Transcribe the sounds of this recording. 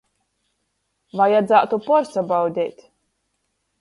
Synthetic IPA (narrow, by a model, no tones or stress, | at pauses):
vajad̪zaːt̪upɔɾsabawd̪ʲɛːt̪ʲ